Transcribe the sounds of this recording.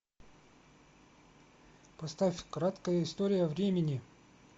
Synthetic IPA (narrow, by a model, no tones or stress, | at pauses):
pɐst̪afʲkɾat̪kəjəɪst̪oɾʲɪjəvɾʲemʲɪnʲɪ